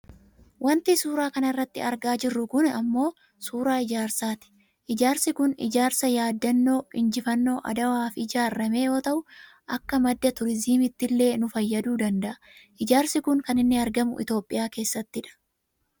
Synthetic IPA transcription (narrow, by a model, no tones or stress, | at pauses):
wɐnt̪isuːɾaːkɐnɐrːɐt̪ːɪ̰ɐɾɡaːd͡ʒɪrːʊkʊnɐmːo̞ː | suːɾaːɪd͡ʒaːɾsaːt̪ɪ̥ | ʔɪd͡ʒaːɾsɪkʊnɪ̰d͡ʒaːɾsɐjaːd̪ːɐnːo̞ːɪnd͡ʒɪfɐnːo̞ːʔɐ̰d̪ɐwaːfɪd͡ʒaːɾɐme̞ːjo̞ːt̪ɐʔʊ | ʔɐkːɐmɐd̪ːɐt̪ʊɾɪziːmɪt̪ːɪlːe̞ːnʊfɐjːɐd̪uːd̪ɐnd̪ɐʔɐ̥ | ʔɪd͡ʒaːɾsɪkʊŋkɐnɪnːɪɐɾɡɐmʊ̰ʔɪ̰t̪o̞ːpʼːɪjaːke̞ːsːɐt̪ːɪᶑɐ̥